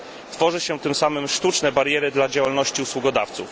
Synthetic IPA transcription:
t̪fɔʐɘɕɛt̪ɘmsamɘmʂt̪ut͡ʂnɛbaɾʲjɛɾɘd̪lad͡ʑawalnɔɕt͡ɕiuswuɡɔd̪aft̪sṵf

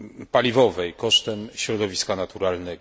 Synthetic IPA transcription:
palʲivɔvɛjkɔʂt̪ɛmɕɾɔd̪ɔvʲiskanat̪uɾalnɛɡ

